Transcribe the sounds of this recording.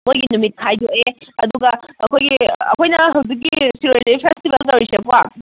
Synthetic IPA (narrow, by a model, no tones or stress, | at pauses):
mojɡinumit̚kʰajdoʔeɐduɡɐɐkʰojɡiɐ̰kʰojnɐɦɐwzik̬̚ːisiɾoɾlɐpʰestibelt̪ɐwɾisepwa̰